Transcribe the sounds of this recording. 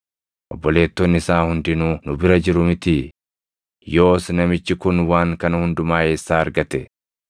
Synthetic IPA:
ʔɔbːɔle̞ːt̪ːɔnːɪɪsaːhʊnd̪ɪnuːnʊbɪɾɐd͡ʒɪɾʊmɪt̪ɪ | jo̞ːsnɐmɪt͡ʃːɪkʊnwaːŋkɐnɐhʊnd̪ʊmaːjeːsːaːɐɾɡɐt̪ɛ

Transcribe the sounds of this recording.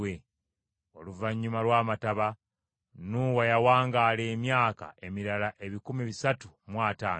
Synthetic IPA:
we | o̞luvaɲːumalwaːmataβa | nuwajawaːŋɡaleːmjaːka̰ʔe̞miɾalaʔe̞βikumiβisatumwaːta̰ːn

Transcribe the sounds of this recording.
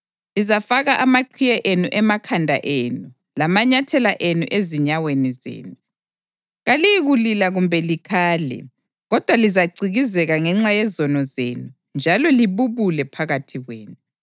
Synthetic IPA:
lizafaɣaʔamaǃʰijɛʔenuʔɛmakʰandʱa̰ʔeːnu | lamaɲatʰɛlaʔenuʔeziɲawenizḛːnu | ɣalijiɣulilaɣumbʱɛlikʰaːlɛ̰ | ɣɔd̥ʱwalizaɡ͡ǀiɣizɛɣaŋɛŋ͡ǁajɛzɔnɔzeːnu | nd͡ʒʱalɔliβuβulɛpʰaɣatʰiɣweːnu

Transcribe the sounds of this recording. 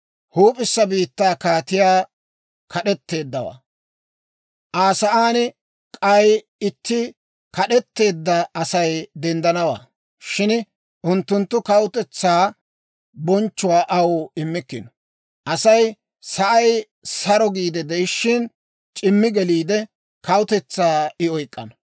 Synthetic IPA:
huːpʼɪsːɐbiːt̪ːaːkaːt̪ɪjaː | kʰɐɗɛt̪ːe̞ːd̪ːɐwa̰ː | ʔaːsɐʔaːnɪ | kʼɐj | ɪt̪ːɪ | kɐɗɛt̪ːe̞ːd̪ːɐɐsɐjd̪ɛnd̪ɐnɐwa̰ː | ʃɪn | ʔʊnt̪ːʊnt̪ːʊkɐwʊt̪ɛt͡sːaː | bɔnt͡ʃːʊwaːʔɐwɪmːɪkːɪ̰nɔ | ʔɐsɐj | sɐʔɐj | sɐɾɔɡiːd̪ɛd̪ɛɪʃːɪn | t͡ʃʼɪmːɪɡɛliːd̪ɛ | kɐwʊt̪ɛt͡sːaːɪɔjkʼːɐ̰nɐ

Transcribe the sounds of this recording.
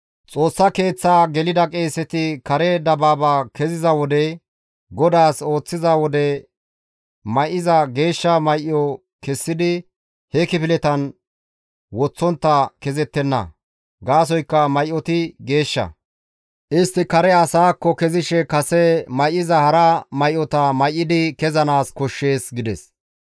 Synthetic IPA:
t͡sʼo̞ːsːɐke̞ːt͡sːaːɡɛlɪd̪ɐkʼe̞ːsːɛt̪ɪkɐɾɛd̪ɐbaːbaːkɛzɪzɐwɔd̪ɛ | ɡɔd̪aːso̞ːt͡sːɪzɐwɔd̪ɛ | mɐjʔɪzɐɡe̞ːʃːɐmɐjʔɪɔ | kɛsːɪd̪ɪ | hɛkɪpɪlɛt̪ɐn | wɔt͡sːɔnt̪ːɐkɛzɛt̪ːɛnːɐ̰ | ɡaːs̬ɔjkːɐmɐjʔɔt̪ɪɡe̞ːʃːɐ̰ | ʔɪst̪ːɪkɐɾɛɐsaːkːɔkɛzɪʃɛkɐsɛmɐjʔɪzɐhɐɾɐmɐjʔɔt̪ɐmɐjʔːɪd̪ɪkɛzɐnaːskɔʃːe̞ːsɡɪd̪ɛs

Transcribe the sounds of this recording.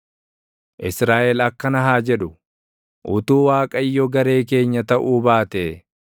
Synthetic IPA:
ʔɪsɾaːʔɛlɐkːɐnɐɦaːd͡ʒɛᶑʊ | ʔʊt̪uːwaːkʼɐjːɔɡɐɾe̞ːk̬e̞ːɲːɐt̪ɐʔuːbaːt̪e

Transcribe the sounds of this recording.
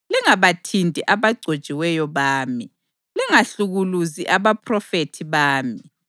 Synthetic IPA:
lɛŋaβatʰintʼiʔaβaɡ͡ǀʱod̥t͡ʃʼiwɛjɔβaːmi | lɛŋaɬuɣuluziʔaβapʰʼrɔfetʰiβaːmi

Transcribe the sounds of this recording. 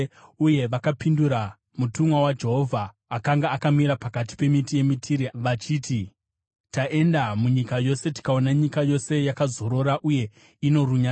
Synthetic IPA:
uje̞ʋakapinduɾa | mutumwawad͡ʒe̞ɦo̞vʱaː | kaŋɡaːkamiɾapakat̬i̥pe̞mitije̞mitʰiɾiʋat͡ʃiːti | taʔe̞ndamuɲikajo̞se̞ti̥kao̞naɲikajo̞se̞jakazo̞ɾo̞ɾaʔuje̞ | ino̞ruɲa

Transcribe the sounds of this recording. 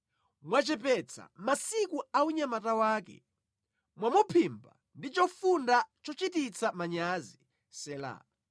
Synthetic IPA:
mwat͡ʃɛpɛt͡sʰa̰masikuauɲamatawaːkɛ̰ | mwamupʰimba | ndit͡ʃɔfundat͡ʃɔt͡ʃitit͡sʰamaɲaːzi | sɛːla̰

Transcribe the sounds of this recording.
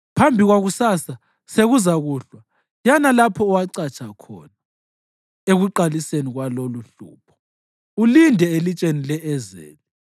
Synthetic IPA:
pʰambʱiɣwaɣusasa | seɣuzaɣuːɬwa | janalapʰɔːwaǀat͡ʃʼakʰɔ̰ːna | eɣuǃaliseniɣwaloluɬṵːpʰɔ̥ | ulindʱɛelit͡ʃʼenilɛɛzḛːni

